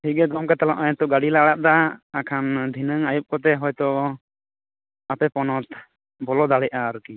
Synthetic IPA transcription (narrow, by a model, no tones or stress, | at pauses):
hiɡɛd̪ɔmkat̪alaʔajɛt̪ɔɡaɽilaɽaʔ̚d̪aːkʰand̪ʱinəŋajup̚kɔt̪ɛɦɔjt̪ɔʔ | apɛpɔnɔt̪̚ | bɔlɔd̪aɽɛʔaːɾuki